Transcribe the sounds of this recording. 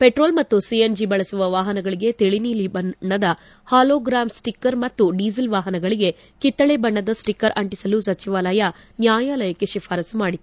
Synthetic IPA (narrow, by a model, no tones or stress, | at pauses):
peʈɾo̞ːlmɐt̪ːusiend͡ʒibɐɭɐsuʋɐʋaːɦɐnɐɡɐɭiɡe̞t̪eɭiniːlibɐɳːɐd̪ɐ | haːloːɡɾaːmsʈikːɐɾmɐt̪ːuɖiːzɐlʋaːɦɐnɐɡɐɭiɡe̞ | kit̪ːɐɭebɐɳːɐd̪ɐsʈikːɐɾʔɐɳʈisɐlusɐt͡ʃiʋaːlɐjɐ | njaːjaːlɐjɐkeʂipʰaːɾɐsumaːɽit̪ːu